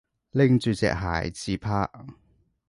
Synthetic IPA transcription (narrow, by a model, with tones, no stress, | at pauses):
lɪ˧˥ŋt͡syː˨˩t͡sɛ̰ː˨k̚ɦa̰ː˨˩jt͡siː˧pʰaː˥